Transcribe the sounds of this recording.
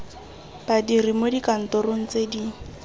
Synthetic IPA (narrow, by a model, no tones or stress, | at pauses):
b̥adirimodikan̩tɔɾoŋ̩t͡sedi